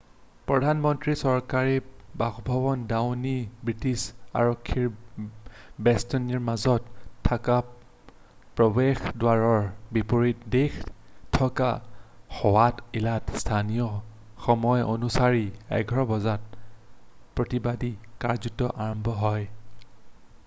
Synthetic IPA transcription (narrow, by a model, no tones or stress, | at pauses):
pɹɔdʱanmɔntɹisɔɹkaɹibaxbʱɔbɔndawnibɹitisa̰ɹɔkʰːiɹ | bɛstoniɹmazɔtʰːaka | pɹɔbexdwaɹɔɹbipoɹitdextʰɔkaxɔwatilatstʰanijɔ | xɔmɔjonusaɹiɛ̰ɡʱɹɔbɔzat̚ | pɹotibadikaɹzutɔʔaɹɔmbʱɔɦɔj